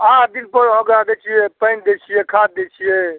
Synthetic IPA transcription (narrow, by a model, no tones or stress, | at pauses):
ad̪inpəɾɦɔ̃ɡɾad̪ɛt͡ʃʰijɛpəɪnd̪et͡ʃʰijɛkʰat̪̚d̪et͡ʃʰijɛ